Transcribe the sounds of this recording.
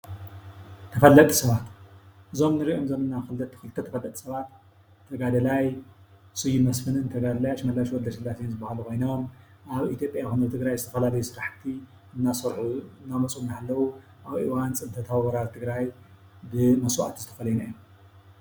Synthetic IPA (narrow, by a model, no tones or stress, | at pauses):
t̪ʰɐfɐlːɐt̪ʼi̥sɐβat̪ʔɨzo̞mnɨɾiʔomzɐnɨnːaxɨlɐt̪ʰːxɨlt̪ʰɐt̪ʰɐfɐlːɐt̪ʼi̥sɐβat̪ʰː | ɐɡad̪ɐlaj | sʼɨjumɐsfɨnɨnt̪ʰɐɡad̪ɐlajaʃmɐlaʃwɔld̪ɐʃɨlːasnzɨbːahalukʰo̞jnom | ʔaβit̪ʰjo̞pʼjaxɨnɐβt̪ʰɨɡɾajzɨt̪ʰɐfɐlalɐjusɨɾaħt̪ʰi | ɨnːasɐɾħuɨnːamɐt͡sʼumnhalːɐwu | ʔaβiwant͡sʼɨnt̪ʰɐt̪ʰaββɐɾalt̪ʰɨɡɾaj | bɨmɐswa̰ʔt̪ʰizɨt̪ʰɐ̥fɐlɐjunajom